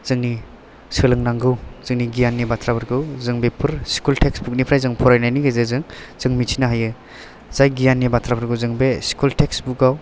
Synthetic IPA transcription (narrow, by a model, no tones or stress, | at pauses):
z̥ɯŋni | sɯlɯŋnaŋɡɯwz̥ɯŋniɡijanːibatʰɾabɯɾɡɯwzɯŋbepʰɯɾskultʰeksbuk̚nipʰɾajzɯŋpʰɔɾajnajniɡajzɯzɯŋz̥ɯŋmitʰinaɦajɯ | z̥ajɡijanːibatʰɾabʰɯɾɡɯwzɯŋbeskultʰeksbukaw